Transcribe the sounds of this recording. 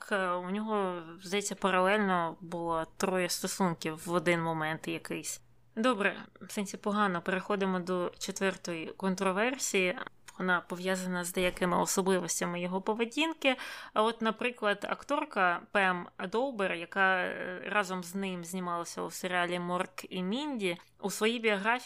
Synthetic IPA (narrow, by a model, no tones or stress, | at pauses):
kunʲɔɦɔzd̪ɐjɛt͡sʲːɐpɐɾɐlˠɛlʲnɔbʊlˠat̪ɾɔjɐst̪ɔsunkʲiwːɔd̪ɪnmɔmɛnt̪jɐkɪjsʲ | d̪ɔbɾɛ̰sɪnʲsʲipɔɦɑnɔpeɾexɔd̪ɪmɔd̪ɔt͡ʃet̪ʋɛrt̪ɔjikɔnt̪ɾɔʋɛrsʲiji | ʋɔnɑpɔʋjazɐnɐzd̪ɛjɐkɪmɪɔsɔblˠɪʋɔsʲtʲɐmɪjɔɦɔpɔʋedʲinkɪɐɔt̪nɐpɾɪklˠɐd̪ɐ̰kt̪ɔrkɐpɛmɐd̪ɔwberjɐkɑrɑzɔmznɪmzʲnʲimɑlˠɐsʲɐṵseɾʲɪɑlʲimɔrkimʲinʲdʲi | usʋɔjibʲiɔɦɾɑfʲ